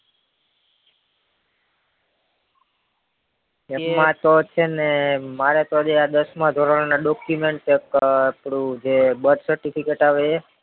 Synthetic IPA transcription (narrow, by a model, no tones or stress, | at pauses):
emãt̪ot͡ʃʰenemaɾet̪ɔd͡ʒead̪əsmãd̪ʱoɾaɽnaɖɔkjumeɳʈekpɽũd͡ʒebəd̪səɾʈipʰikeʈaʋet͡ʃʰe